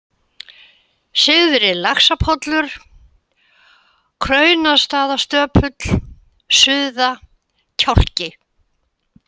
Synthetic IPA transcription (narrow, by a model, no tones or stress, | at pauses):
sɪɣðʏɾɪlaksapʰɔt̪lʏɾ̥ | kʰɾœːɥnaðst̪aːðast̪œːpʰʏt̪l̥ | sʏːða | cʰar̥cɪ